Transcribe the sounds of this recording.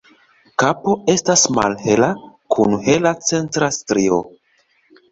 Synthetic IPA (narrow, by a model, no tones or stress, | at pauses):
kapo̞e̞stasma̰lhe̞lakʰunhe̞lat͡se̞ntɾastɾio̞̰